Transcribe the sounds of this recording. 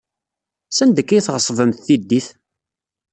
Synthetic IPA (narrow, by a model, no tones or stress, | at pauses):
sænd̪əkːæjθʁəsˤvəmθθid̪ːiθ